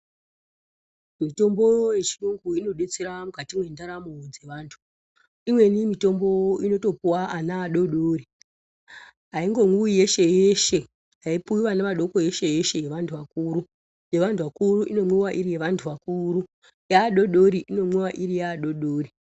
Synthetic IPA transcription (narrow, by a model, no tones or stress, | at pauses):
mito̞mbo̞je̞t͡ʃiroŋɡuino̞ɗe̞t͡seɾamukatimwe̞ndaɾamod͡ze̞ʋaːntʰu̥ | imwe̞nimito̞mbo̞ino̞to̞puwaʔanaːɗo̞ɗoːri | ɦaiŋɡo̞ŋuije̞ʃe̞jeʃe̞ | ɦaipuiwanemaɗo̞ko̞e̞ʃe̞jeʃe̞jeʋantʰuʋakuːɾu | je̞ʋantʰuʋakuruʔino̞mwewaʔiɾije̞ʋantʰuʋakuɾu | jaːɗo̞ɗo̞ɾiʔino̞mwewaʔirijaːɗo̞ɗoːri